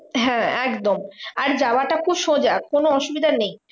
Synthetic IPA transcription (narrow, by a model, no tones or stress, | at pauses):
ɦɛ̃ɛkd̪omaɾd͡ʑawaʈakʰubʃõd͡ʑakonoɔʃubid̪ʱanej